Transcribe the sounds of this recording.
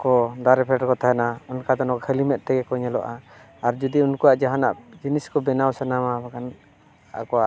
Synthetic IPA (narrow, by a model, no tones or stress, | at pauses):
kɔdaɾɛpʰɛʈkɔt̪ʰaɛnaɔnkad̪ɔnɔkhəlimɛt̪̚ˀt̪ɛɡɛkɔɲɛlɔ̰ʔa | aɾd͡ʒud̪iunkuaʔd͡ʒaɦana̰ʔd͡ʒiniskɔbɛnawsanamabakan | a̰kɔaʔ